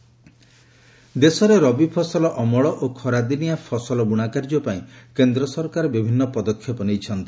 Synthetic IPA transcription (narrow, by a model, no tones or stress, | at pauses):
d̪esɔɾeɾɔbipʰɔsɔlɔʔɔmɔɭɔʔokʰɔɾad̪inijapʰɔsɔlɔɡuɽ̃akaɾd͡ʒɔpaĩkend̪ɾɔsɔɾkaɾɔbibʱinːɔpɔd̪ɔkʰːjɔpɔnejt͡ʃʰɔnt̪i̥